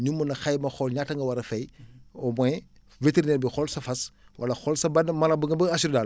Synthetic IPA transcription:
ɲumɐnɐxajmɐxɔlɲaːtɐŋɡɐwɐɾɐfɛjɔmɔj | veteɾineːɾbixɔlsɐfɐswʔɐ̰lɐxɔlsɐbɐnmɐlɐbəŋɡɐbɐɐsuɾdal

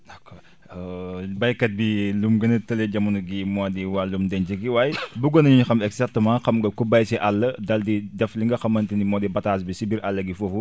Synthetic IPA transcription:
ɐkːɔ | bɐjkɐt̚bilumɡɐnɐtɐlɛɟɐmunuɡimɔdiwalumdɛnd͡ʒɐɡiwaːjbuɡɔnɐɲuɲuxɐmɛksatɐmãːxɐmɡɐkubɐjsiʔalːɐdɐldidɛfliŋɡɐxɐmːɐntinimɔːdibɐtaːs̬bisibiɾʔalːɐɡifofu

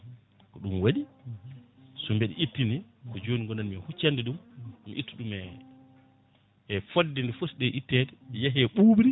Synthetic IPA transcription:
kɔɗumwaɗi | sɔmbɛɗɛ̰itːinikɔd͡ʒoːniŋɡɔnanmihut͡ʃːandɛɗummḭʔitːiɗumɛ | fodːɛndɛfosɗɛʔitːɛdɛjaɦɛɓuːbɾi

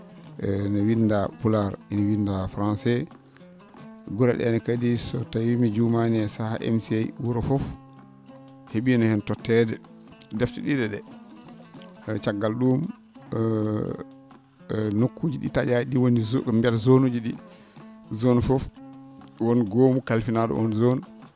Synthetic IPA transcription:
ʔɛnɛwindapulaɾinɔwindafɾansɛ | ɡuɾɛ̰ɗɛ̰nɛkadisɔtawimid͡ʒumanɛsahaʔɛ̰msiajwuɾɔfɔf | heɓinɔhɛntɔtːɛdɛ | dɛftɛɗidɛɗɛ | t͡ʃaɡːalɗum | nokːud͡ʒiɗḭtad͡ʒaɗiwonimbɛlzonud͡ʒiɗi | zɔnfɔf | wɔnɡomukalfinaɗɔ̰ʔɔnzɔn

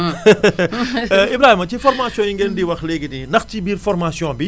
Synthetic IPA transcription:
ʔibɾaːhimɐcifɔɾmasjɔ̃ːjiŋɡendiwɐxleɡitindɐxcibiːɾfɔɾmaːsjɔ̃ːbi

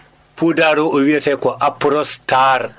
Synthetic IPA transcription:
pudaɾɔʔowiatɛkɔʔapːɾɔstaɾ

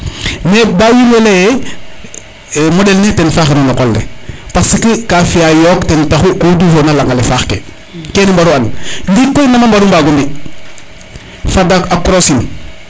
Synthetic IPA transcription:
nebawinweleje | modelnetenfaːxenalokoldḛpasikikafiajoːktentaxukudufonalaŋɡalefaːxkḛ | kenimbaɾualndikojnamambaɾumbaɡumbi | fadaakɾosin

